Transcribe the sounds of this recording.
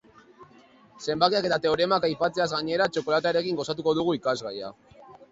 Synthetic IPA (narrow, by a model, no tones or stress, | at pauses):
se̞mbakeake̞t̪at̪e̞o̞ɾe̞makajpat͡seazɣaɲe̞ɾat͡ʃo̞ko̞lat̪aɾe̞kiŋɡo̞sat̪̬uko̞ðuɣ̞uikazɣaja̰